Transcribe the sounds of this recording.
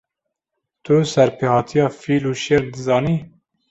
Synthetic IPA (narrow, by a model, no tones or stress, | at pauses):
t̪ʰusɛɾpʰeːhɑːt̪ʰijɑːfiːluːʃeɾd̪ɨzɑːniː